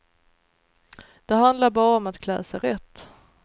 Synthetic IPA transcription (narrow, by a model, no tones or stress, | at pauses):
d̪̥ɛɦand̪laɾbɑːɾaɔmat̪kʰlɛ̰ːsaɾɛt̪ː